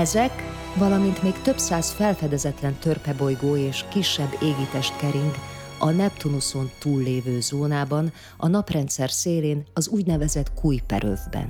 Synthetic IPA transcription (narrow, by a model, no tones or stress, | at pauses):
ɛzɛk | vɒlɒmint̪meːkt̪ø̞psaːsfɛlfɛd̪ɛzɛt̪lɛnt̪ø̞rpɛbo̞jɡoːeːʃkiʃːɛbːeːɡit̪ɛʃt̪̚kɛɾiŋk | ɒnɛpt̪unuso̞nt̪uːlːeːvøːzoːnaːbɒn | ɒ̰nɒprɛnt̪sɛrseːleːnɒzuːɟnɛvɛzɛt̪kuːjpɛ̰ɾʔø̰vbɛ̰n